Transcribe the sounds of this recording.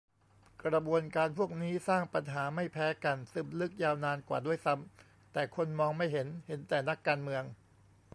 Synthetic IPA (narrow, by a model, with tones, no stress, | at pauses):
kɾa˧bu˧ənkaː˧npʰu˥˩ək̚niː˦˥saː˥˩ŋpa˧nɦaː˩˦ma˥˩jpʰɛː˦˥ka˧nsɯ˨˩mlɯ˦˥k̚jaː˧wnaː˧nkwa̰ː˨˩du˥˩əjsa˦˥m | t̪ɛː˨˩kʰo˧nmɔː˧ŋma˥˩jɦe˩˦nhe˩˦nt̪ɛː˨˩na˦˥kːaː˧nmɯ˧əŋ